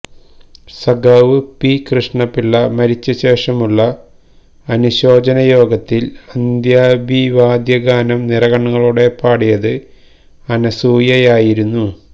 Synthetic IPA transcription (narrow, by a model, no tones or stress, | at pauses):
sɐɡaʋɨpikrɨʂɳɐpːilːɐmɐɾit͡ɕːɐɕe̞ːʂɐmuɭːɐː | nuɕo̞ːd͡ʑɐnɐjo̞ːɡɐt̪ːilɐnd̪jaːbʱiʋaːd̪jɐɡaːnɐmnirɐɣɐɳːɐŋːɐɭuɽe̞paːɽijɐðɨ | ɐnɐsuːjɐjaːjiɾunːu